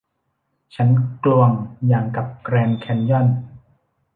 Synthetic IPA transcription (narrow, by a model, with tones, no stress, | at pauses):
t͡ɕʰa˦˥nklu˧əŋjaː˧˩ŋka˨˩p̚kɾɛː˧nkʰɛ˧njɔ˥˩n